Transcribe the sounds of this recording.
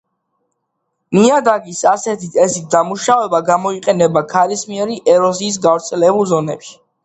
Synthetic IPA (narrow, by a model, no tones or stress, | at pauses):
niad̪aɡisasɛt̪ʰit̪ʰʼɛsid̪amuʃavɛbaɡamɔiqʼɛnɛbakʰaɾismiɛɾiʔɛɾɔziːs̬ɡavɾt̪sʰɛlɛbulˠzɔnɛpʃi̥